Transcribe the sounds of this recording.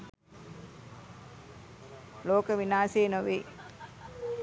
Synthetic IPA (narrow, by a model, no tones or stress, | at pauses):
loːkəʋinaːseːnoʋiː